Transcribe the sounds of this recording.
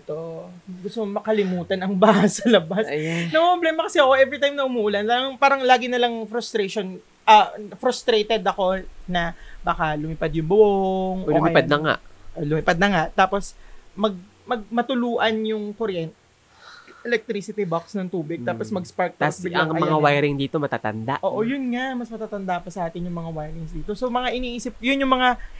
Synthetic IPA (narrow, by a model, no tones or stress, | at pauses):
t̪o | ɡʊst̪okmɐkɐlɪmuːt̪ɐnɐŋbaːhɐsɐlɐbasnɐpɾoblɛːmɐkɐsɛɐko̞ʔɛvɾit̪ajmnɐʔʊmuːʔʊlɐnaŋpaːɾɐŋlaːɡɪnɐlɐŋfɾʊst̪ɾeʃon | ʔɐfɾʊst̪ɾejt̪ɛd̪ɐko̞nɐbaːkalʊmɪpad̪jʊmbʊoŋʔloʊmpad̪̚nɐŋa̰ʔʔolʊmɪpad̪nɐŋaʔt̪aːpo̞smɐɡ̚ | mɐɡ̚mɐt̪ʊluːʔɐnjʊŋkoɾjɛnt̪ | ʔɛlɛk̚t̪ɾisɪt̪ɪbaksnɐŋt̪uːbɪɡ̚t̪aːposmɐɡspaɹk̚t̪sbɪɐŋmɐŋawajɾɪŋd̪iːt̪omɐt̪aːt̪ɐ̰nd̪a̰ʔʔoːʔojʊnŋamɐsmɐt̪aːt̪ɐnd̪apɐsɐʔaːt̪ɪnjʊŋmɐŋawajɾɪŋsd̪iːt̪osomɐŋaʔɪniːʔiːsɪp̚jʊnjʊŋmɐŋa